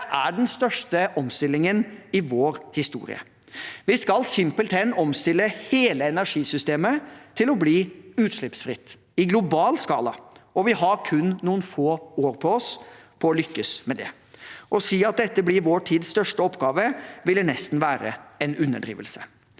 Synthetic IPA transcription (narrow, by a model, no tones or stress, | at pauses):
ʔæɖɛnst̪œʂʈəʔɔmst̪ɪlːɪŋənɪʋoːɾhɪst̪ṵːɾɪ̰ə̰ | ʋɪskɑlsɪmpəlt̪ʰɛnːɔmst̪ɪlːəheːləɛnæɾʂiːsʏst̪eːmət̪ʰɪlɔbliːʉːt̪ʂɭɪpsfɾɪt̪ː | ɪɡlʊbɑːlskɑ̰ːlɑɔʋɪɦɑɾkʰʉnːuːənfoːoːɾpʰɔɔspʰɔɔlʏkːəsmɛd̪ɛ̰ | ʔɔsiːɑt̪̚d̪ɛt̪ːəblɪɾʋoːʈʰiːd̪sst̪œʂʈəɔpːɡɑːʋəʋɪlənɛst̪n̩ʋæːɾə̰ɛnʉnːə̰ɖɾḭːʋəlsə̥